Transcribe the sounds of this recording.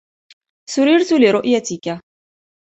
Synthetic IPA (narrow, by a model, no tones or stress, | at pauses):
sʊɾiːɾt̪ulɪɾʊʔjat̪ika